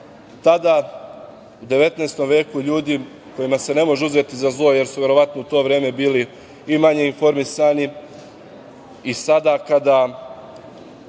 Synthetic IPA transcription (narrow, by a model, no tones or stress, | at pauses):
t̪ad̪a | ud̪e̞ʋe̞t̪neːst̪o̞mʋe̞ːkuʎuːd̪i | ko̞jimase̞ne̞mo̞ʒeuze̞t̪izazlˠo̞je̞ɾsuʋʲje̞ɾo̞ʋat̪no̞ut̪o̞ːʋɾeːme̞biːli | imaɲe̞info̞ɾmisani | isad̪akad̪a